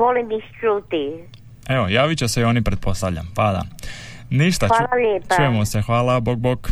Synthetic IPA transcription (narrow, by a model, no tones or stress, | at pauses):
ʋolimist͡ʃɾut̪i | eʋojaːʋit͡ɕeseio̞nipɾet̪̚po̞st̪aʋʎʲa̰mpad̪a̰niʃt̪aalaleːpat͡ʃujemosexʋaːlˠaboɡ̚bok